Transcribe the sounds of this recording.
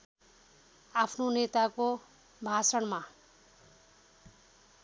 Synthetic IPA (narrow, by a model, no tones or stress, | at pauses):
apʰnonet̪ako | bʱasʌɳma